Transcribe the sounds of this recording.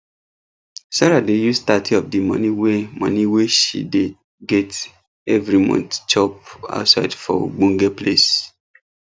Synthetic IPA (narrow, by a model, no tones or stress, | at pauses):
saɾadejustatɔp̚dimɔ̰̃nĩwemɔ̰̃nĩweʃḭde | ɡɛt | ɛvɾimɔ̰̃ntt͡ʃɔp̚a̰ʊtsaɪdfɔ̰o̰ɡ͡bõŋɡeples